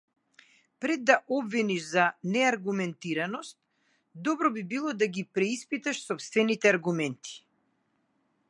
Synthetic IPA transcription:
pɾɛd̪ːaʔɔbviniʃzanɛaɾɡumɛnt̪iɾanɔst̪̚ | d̪ɔbɾɔbibilˠɔd̪aɡipɾɛispit̪aʃsɔpst̪vɛnit̪ɛaɾɡumɛnt̪ʰi̥

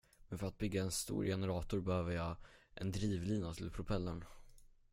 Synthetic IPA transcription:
mɛnfœɾat̪̚bʏɡːaɛnst̪ṵːɾjɛnəɾɑːt̪ʊɾbɛhøːvəɾjɑːʔɛnd̪ɾiːvliːnat̪ʰɪlpʰɾʊpʰɛlːəɳ

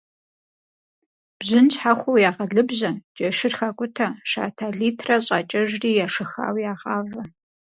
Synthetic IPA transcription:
b̥zɨnt͡ɕħaxʷowjaːʁɐɮɨbzɐd͡ʒʼɐʃɪrxɐkʷʼʊtʰɐʃa̰ːtʰaːɮiːtʰrɐɕʼɑːt͡ʃʼɐʒriːjaːʂɨxa̰ːwjaːʁɑːvɐ

